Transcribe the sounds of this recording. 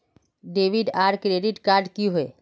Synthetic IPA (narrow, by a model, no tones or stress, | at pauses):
ɖeːʋɪɖaːɾkɾeːɖɪʈkaːɾɖkiɦoḛː